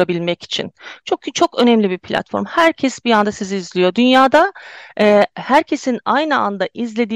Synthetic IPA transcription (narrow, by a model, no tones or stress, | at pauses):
abilʲmɛci̥t͡ʃʰḭnt͡ʃʰokt͡ʃʰo̞kø̞nɛmlʲibipʰlʲa̰t̪fo̞̰ɾmhæɾcʰɛsbijand̪asiziːzlʲijo̞d̪ynjaːd̪aɛːhæɾcʰe̞sinajnɯa̰nd̪aʔizlʲe̞d̪iː